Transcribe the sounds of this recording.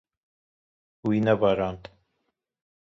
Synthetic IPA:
winɐbaɾɑːnt̪

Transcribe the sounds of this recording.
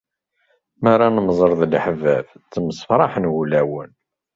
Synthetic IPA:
maɾˤanəmzˤəɾˤðˤlħəvævt͡sːəməsfɾˤɑħənwulæwən

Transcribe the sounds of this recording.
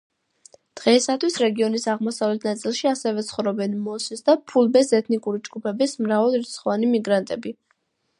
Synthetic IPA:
d̪̥ʁɛisat̪ʰwisɾɛɡiɔnisaʁmɔsavlɛt̪ʰnat̪sʼilˠʃiasɛvɛt̪sʰχɔvɾɔbɛnmɔsisd̪apʰulˠbɛsɛt̪ʰnikʼuɾid͡ʒɡupʰɛbismɾavalˠiɾt̪sʰχɔvanimiɡɾant̪ʼɛbi

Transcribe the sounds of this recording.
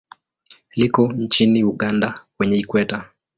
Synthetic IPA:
likɔnt͡ʃiniuɠandakwɛɲɛikwɛta

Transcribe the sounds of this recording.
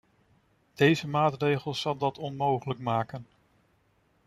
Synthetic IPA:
d̥ejzəmaːtrejχəlˠz̥ɑlˠdɑtɔnmowχələkmaːkən

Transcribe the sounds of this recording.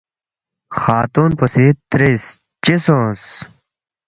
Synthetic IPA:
xaːt̪uːnposit̪ɾes | t͡ɕisõs

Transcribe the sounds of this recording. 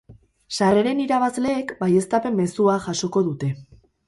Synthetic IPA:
sare̞ɾe̞niɾaβazle̞ːkbaje̞st̪ape̞mːe̞suaʝaso̞ko̞ðut̪e̞

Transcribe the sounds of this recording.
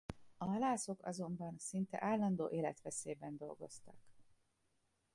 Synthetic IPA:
ɒɦɒlaːso̞kɒ̰zo̞mbɒnsint̪ɛ̰ʔaːlːɒnd̪o̰ːʔeːlɛt̪ʋɛseːbɛnd̪o̞̰lɡo̞̰st̪ɒk

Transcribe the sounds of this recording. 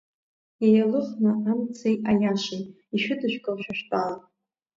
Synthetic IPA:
jajalɨχnaamt͡sʰejajaʃejtʼ | iʃᶣʊdɨʃᶣkʼɨlʃᶣaʃᶣtʼala

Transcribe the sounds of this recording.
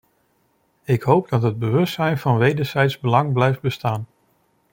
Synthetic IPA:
ɪkɦowp̚dɑtɦəd̚bəʋɵstsɛjnvɑnʋejdəɹzɛjtzbəlɑŋblɛjfd̚bəstaːn

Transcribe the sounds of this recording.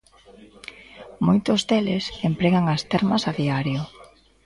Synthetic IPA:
mojt̪ʊzd̪elesempɾeɣaŋɐst̪ɛɾmɐsaðiaɾjʊ

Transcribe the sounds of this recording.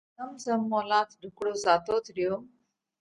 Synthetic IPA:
əmzəmːɔlãt̪ʰɖʱukɽozat̪ot̪ɾjo

